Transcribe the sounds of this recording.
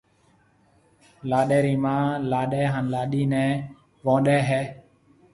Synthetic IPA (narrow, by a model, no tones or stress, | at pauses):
laːɗɛːɾiːmãːlaːɗɛːɦaːnlaːɗiːnɛ̃ː | ʋõːɗɛːɦɛː